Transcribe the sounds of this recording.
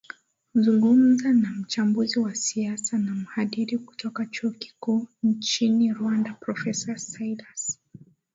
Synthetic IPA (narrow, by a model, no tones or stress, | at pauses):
zuŋɡum̩zanam̩t͡ʃambuziwasiasanam̩haɗiɾiku̥tʰɔkat͡ʃuɔki̥kuːnt͡ʃiniɾwandapɾɔfɛsasailas